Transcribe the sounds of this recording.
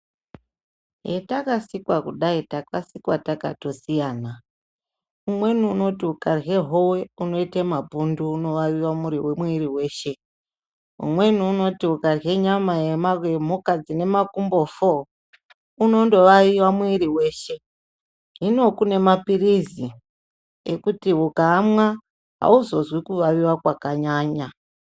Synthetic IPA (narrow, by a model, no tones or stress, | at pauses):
ɦetakasikwakuɗaitakasikwataka̰to̞sijaːna | umwe̞nuːno̞tiukarɦe̞ɦo̞we̞uno̞itemabʱunduːno̞ʋaiwamuɾiwemwiriwe̞ːʃe̞ | ṵmwe̞nuːno̞tiukarɦeɲamajemarwem̤ukad͡zine̞makumbo̞fo | uno̞ndo̞ʋaiwamuiɾiwe̞ːʃe̞ | ɦino̞kune̞mapirizi | ekutiɦukaːmwa | ɦa̰uzo̞zwikuʋaʋiwakwakaɲaːɲa